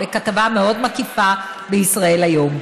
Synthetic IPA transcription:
ekatavameo̞d̪makifa | beisʁae̞lajo̞m

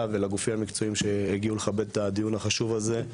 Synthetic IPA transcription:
velaɡufimamikt͡so̞imʃe̞heɡiuleχabe̞d̪̚tad̪ijunhaχaʃuvaze̞

